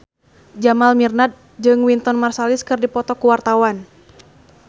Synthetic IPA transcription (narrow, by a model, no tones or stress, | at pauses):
d͡ʒamalmirnat̪̚ | d͡ʒɨŋwint̪ɔnmarsaliskɨrdipɔt̪ɔkuwart̪awan